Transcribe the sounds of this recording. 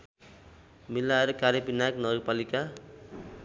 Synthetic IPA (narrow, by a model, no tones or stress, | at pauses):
milːaeɾʌkaɾjepinaknʌpalika